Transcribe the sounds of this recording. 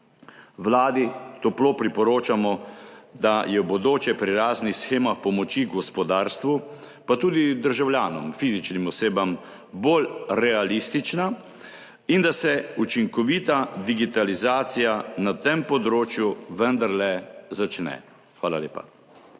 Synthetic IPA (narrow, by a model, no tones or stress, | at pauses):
wlaːd̪it̪oploːpɾipɔɾoːt͡ʃamɔd̪ajɛbɔd̪oːt͡ʃɛpɾiɾaːznixsxeːmaxpɔmɔt͡ʃiɡɔspɔd̪aːɾst̪ʋu | pat̪uːd̪id̪əɾʒawljaːnɔmfiːzit͡ʃnimɔseːbam | boːlɾɛalist̪it͡ʃna | ind̪asɛut͡ʃiŋkɔʋiːt̪ad̪iɡit̪alizaːt̪sijanat̪empɔd̪ɾoːt͡ʃjuʋənd̪aɾlɛzat͡ʃnɛ̰ | xʋaːlalḛːpa̰